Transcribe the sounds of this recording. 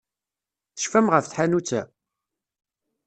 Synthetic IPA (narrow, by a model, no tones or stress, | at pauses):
θə̥ʃfæmʁəfθħanut͡sːæ